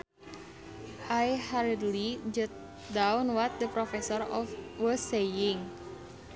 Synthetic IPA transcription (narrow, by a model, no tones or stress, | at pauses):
ʔajhaɾidulid͡ʒət̪̚ | dawnwat̪̚d̪əpɾɔfɛsɔɾɔfwəsejɪŋ